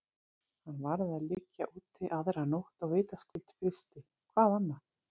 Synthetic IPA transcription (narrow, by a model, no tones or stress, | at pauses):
hanːvaɾðɪaðlɪcːaʔuːt̪ʰɪʔawðeɾanowht̪ɔɣveːjt̪askʏlt̪fɾɪst̪ɪ | kʰvaːanːa